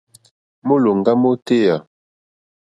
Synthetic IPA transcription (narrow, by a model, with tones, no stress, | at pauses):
mo˦lo˨ŋ˨ɡa˦mo˦te˦˨ja˨